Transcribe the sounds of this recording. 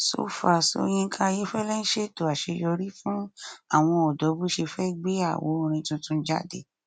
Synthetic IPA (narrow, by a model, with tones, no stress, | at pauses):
so̰˦fa˨so̰˧˦j̃ĩ˦ŋ̩˦kʰã˧je˦fɛ˦lɛ˦n̩˦ʃe˦˨to˨a˨ʃe˨˧jɔ˧ɾi˦fũ˦a˦˨w̃ɔ̃˧ɔ˨dɔ˨˦bu˦ʃe˧fɛ˦ɡ͡be˦a̰˦˨wo˨˦˧ɾ̃ĩ˧tũ˧tũ˧n̩˦d͡ʒa̰˦˨dḛ˨